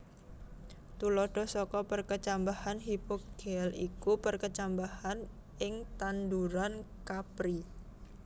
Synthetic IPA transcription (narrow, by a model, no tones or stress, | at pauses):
t̪ulɔɖ̥ɔ̤hsɔkɔpərkət͡ʃambahanɦipoɡ̥ɛlikupərkət͡ʃambahan | ʔɪŋt̪and̪uɾankapɾi